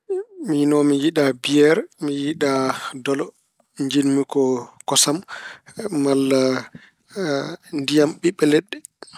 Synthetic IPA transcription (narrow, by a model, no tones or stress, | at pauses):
minɔmijiɗabijɛɾmijiɗadɔlɔ | ɲd͡ʒinmikɔkɔsamː | alːa | ndijamɓiɓːɛlɛɗːɛ